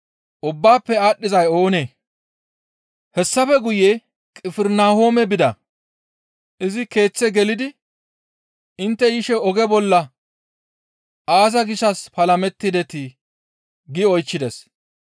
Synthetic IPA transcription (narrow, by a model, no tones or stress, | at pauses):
ʔʊbːaːpːɛaːɗːɪzɐjo̞ːneː | hɛsːɐfɛɡʊje | kʼɪfɪɾnaːho̞ːmɛbɪd̪ɐ | ʔɪzɪke̞ːt͡sːɛɡɛlɪd̪ɪ | ɪnt̪ːɛjɪʃɛɔɡɛbɔlːɐ | ʔaːzɐɡɪʃɐspɐlɐmɛt̪ːɪd̪ɛt̪ɪ | ɡɪɔjt͡ʃːɪd̪ɛs